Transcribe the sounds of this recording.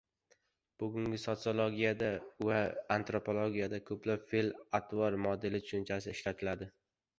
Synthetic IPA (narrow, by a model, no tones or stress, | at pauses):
b̥ʊɡʲʊŋɡʲɪsot̪sɨo̞lˠoɡʲijad̪avaːnt̪ɾo̞pʰo̞lˠoɡʲijad̪akʰɵplapfelat̪ʰvɒɾmɒd̪ɪlɪt̪ʰʊ̥ʃʊnt͡ʃʰasɪɪʃlat̪ʰɪlad̪ɪ